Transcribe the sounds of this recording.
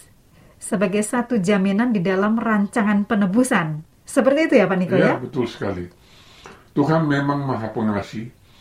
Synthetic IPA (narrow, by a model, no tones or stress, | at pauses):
səbaɡajsat̪ud͡ʒaminandidalamraɲt͡ʃaŋanpənəbusan | səpərt̪iːt̪ujapanikojabət̪ʊlsə̥ka̰li | t̪uɦanmemaŋmaɦapəŋasi